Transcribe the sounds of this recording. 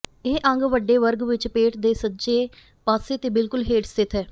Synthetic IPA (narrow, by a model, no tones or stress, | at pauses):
eːʔə̃ŋɡʋəɖeːʋəɾɡʋɪt͡ʃpeːʈd̪eːsətːd͡ʒeː | paːseːt̪eːbɪlkʊlɦeːʈst̪ɪt̪ʰɦɛː